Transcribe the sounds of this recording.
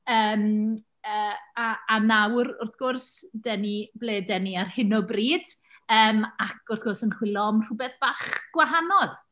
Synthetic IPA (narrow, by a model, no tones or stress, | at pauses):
əːm | əːaːnawrʊrθɡ̥ʊrsdɛnibleːdɛniarhɪnɔbriːd̥ | əːmakʰʊrθɡ̥ʊrsənχwɪlˠɔmr̥ʊbɛθb̥aːχɡ̥waɦanɔð